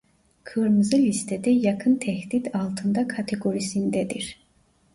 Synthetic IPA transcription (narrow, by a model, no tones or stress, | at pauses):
kʰɯɾmɯzɯlʲist̪ʰɛd̪ɛjakʰɯnt̪ʰɛhd̪id̪alˠt̪ʰɯnd̪akʰat̪ʰeɡo̞ɾisind̪ɛd̪iɾ̥